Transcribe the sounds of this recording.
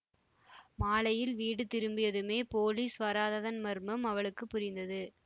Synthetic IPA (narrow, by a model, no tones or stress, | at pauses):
maːlɐjɪlʋiːɽɯt̪ɪɾɯmbɪjɐðɯmeːpoːliːsʋɐɾaːðɐðɐnmɐɾmɯmɐʋɐɭɯkːɯpːʊɾɪnd̪ɐðɯ